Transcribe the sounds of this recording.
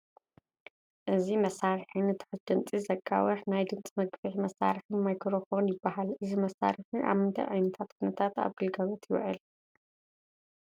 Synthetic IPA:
ʔɨzimɐsaɾɨħɨnɨt̪ʰɨ̥ħɨt̪d̪ɨnt͡sʼizɐkʼːa̰wɐħnajd̪ɨnt͡sʼmɐɡfɨħmɐsːa̰ɾħɨnmajkʰɾofonjɪbːahalʔɨzimɐsːa̰ɾɨħɨʔa̰mɨnt̪ʰɐ̰jʕajnɐt̪ʰat̪kʰunɐt̪ʰat̪a̰βɡɨlɡɐβɐt̪ʰjɪw̰ʕɨ̰l

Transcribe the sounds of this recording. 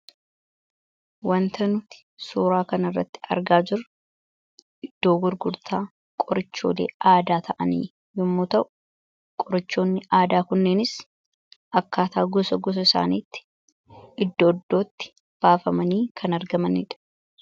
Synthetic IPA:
wɐnt̪ɐnʊt̪ɪ̥suːɾaːkɐnɐrːɐ̰t̪ːɪ̥ɐ̰ɾɡaːd͡ʒɪɾ | ʔɪd̪̥ːo̞ːɡʊɾɡʊɾt̪ʰaː | kʼɔɾɪt͡ʃːo̰ːle̞̰ːaːd̪aːt̪ʰɐʔɐnḭː | jɪmːuːt̪ɐʔʊ̥ | kʼɔɾɐt͡ʃːo̞ːnːɪʔaːd̪aːkʊnːe̞ːnɪs | ʔɐkːaːt̪aːɡɔsɐɡɔs̬ɐɪsa̰ːniːt̪ːɪ̥ | ɪd̪ːo̞ːd̪ːo̞ːt̪ːɪ̥ | b̥aːfɐmɐniːkʰɐnɐɾɡɐmɐnɪ̰ᶑɐ̥

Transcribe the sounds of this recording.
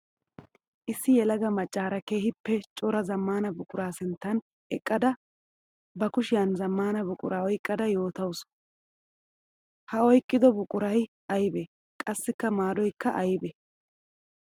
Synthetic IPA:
ʔɪsːɪjɛlɐɡɐmɐt͡ʃʼːaːɾɐke̞ːhɪpːɛt͡ʃʼɔɾɐzɐmːaːnɐbʊkʼʊɾaːsɪnt̪ːɐn | ɛkʼːɐd̪ɐ | bɐkʊʃɪjɐnzɐmːaːnɐbʊkʼʊ̰ɾaːɔjkʼːɐd̪ɐjo̞ːt̪ɐws | hɐɔjkʼːɪd̪ɔbʊkʼʊɾɐj | ɐjbɛ | kʼɐsːɪkːɐmaːd̪ɔjkːɐʔɐjbɛ

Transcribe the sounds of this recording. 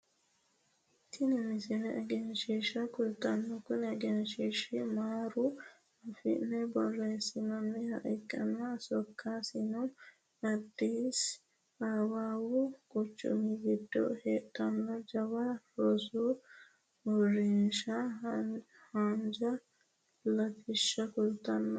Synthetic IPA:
t̪ʰɪnɪmɪsɪnɛʔɛɡɛnʃiʃɐkʊlt̪ɐnːɔkʊnɛɡɛnʃiʃimaːɾu | ɐfɪ̰ʔnːɛbɔrːeːsɪnɐmːɛhɐ̰ʔɛkʼːɐnasɔkʰːaːsɪnɔm | ɐd̪ːiːs | aːwaːwʊkʼʊt͡ʃːʊ̰miɡɪd̪ːɔ̰heːʔʼɐnːɔd͡ʒɐbaɾɔsu | ɔrːinʃɐ | hand͡ʒɐ | lɐfɪʃːɐkʊlt̪ɐnːɔ

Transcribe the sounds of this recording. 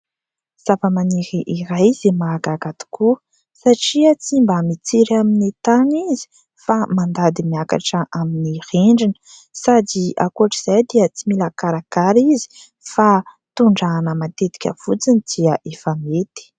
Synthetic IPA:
z̥apəmaniɾiʔiɾajzemaɡaɡat̪i̥kuə | saʈ͡ʂiət͡simbəmit͡siɾaminit̪anizi̥ | famand̪ad̪imiaka̰ʈ͡ʂəʔaminiriɳɖ͡ʐinə | sadia̰kuʈ͡ʂiz̥ajd̪iət͡similakaɾakaɾizi̥ | fa | t̪uɳɖ͡ʐanəmat̪et̪i̥kʲə̰v̥ut͡sinid̪̥iəʔefəmet̪i̥

